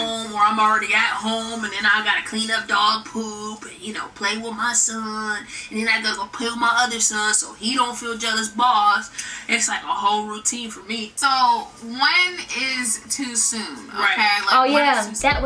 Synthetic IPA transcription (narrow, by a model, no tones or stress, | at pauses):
õʊ̃mwə˞ãɪ̃ml̩ˠɹɛɾiɨt̚hõʊ̃mɨ̃nðɨ̃naɪɡɑɾɨkʰl̥ĩnʌp̚d̥ɔɡ̚pʰupɨ̃njɨnoʊpʰl̥eɪwɪðmaɪsʌ̃nɨ̃n̩ðɨ̃naɪɡɑɾəɡoʊpʰʊlˠmaɪʌðə˞sʌ̃nsoʊiɾõʊ̃ntfilˠd͡ʒʌlˠəsbɔsɨtslaɪkəhoʊlˠɹutʰĩnfə˞misoʊwʌ̃nɪz̥tʰʉsʉ̃nɹaɪ̃ŋlaæɨʔw